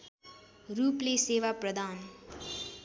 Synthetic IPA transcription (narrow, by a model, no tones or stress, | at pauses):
ɾuːpleseːʋapɾəd̪aːn